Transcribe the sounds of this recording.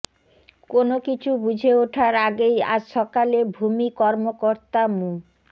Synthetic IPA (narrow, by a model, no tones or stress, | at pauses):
konokit͡ɕʰubud͡ʑʱeoʈʰaɾaɡeja̰d͡ʑʃɔkalebʱumikɔɾmokoɾt̪amũ